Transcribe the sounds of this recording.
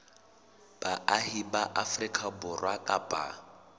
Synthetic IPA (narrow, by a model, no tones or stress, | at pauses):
b̥aʔahibaʔafrikʼabʊrwakʼapʼa̰